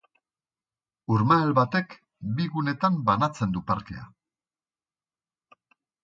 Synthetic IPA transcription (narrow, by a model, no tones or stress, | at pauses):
uɾmaelβat̪e̞k | biɣune̞t̪ambanat͡se̞nd̪upaɾt̪ḛa̰